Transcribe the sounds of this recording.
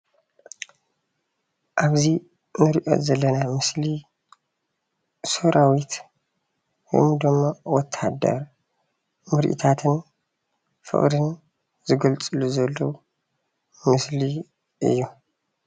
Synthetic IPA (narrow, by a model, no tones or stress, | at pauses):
ʔaβzi | nɨɾiʔo̰t̪zɐlːɐnamɨsli | soɾʔawit̪ | ho̰md̪ɨmːowɔt̪ʰːad̪ɐ̰ɾ | mɨɾ̰ʔḭt̪ʰat̪ʰɨn | fɨ̰χʼd̪ɨn | zɨɡɐlt͡sʼɨluzɐlːɐwu | mɨsli | ʔɨ̰jːu